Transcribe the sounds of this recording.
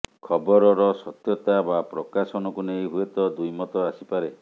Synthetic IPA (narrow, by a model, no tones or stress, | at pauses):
kʰɔbɔɾɔɾɔsɔt̪jɔt̪abapɾɔkasɔñɔkunejɦuet̪ɔd̪ujmɔt̪ɔasipaɾe